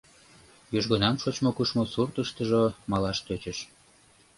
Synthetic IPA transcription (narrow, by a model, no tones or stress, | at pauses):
joʒɣonɑmʃot͡ɕmokuʃmosurt̪əʃt̪əʒomɑlɑʃt̪øt͡ɕəʃ